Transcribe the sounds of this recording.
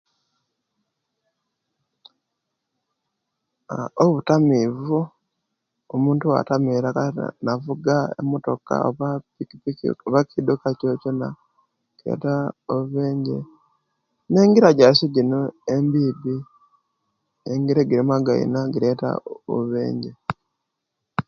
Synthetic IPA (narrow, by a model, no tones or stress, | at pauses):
oβutamiːvu | omuːntuwa̰tamiɾaka̰navuɡaḛmoto̞ka̰oβaikpioβakidokacocona | ɡ̥iɾḛtaoβeːɲɟe̞̰ | ne̞ːŋɡiɾaɟaʃiɟinoembiːbi | eŋɡiɾeɡiɾimaɡaḭnaɡiɾe̞ta̰o̰ββḛːɲɟe